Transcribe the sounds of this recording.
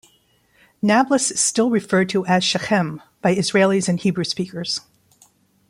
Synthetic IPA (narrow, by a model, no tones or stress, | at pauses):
næblˠəstɪlˠɹɨfɜ˞d̚tʰəʔɨz̥ʃɨxɛ̃m | b̥aɪɨzɹeɪlˠizɨ̃nhibɹʉspikə˞z̥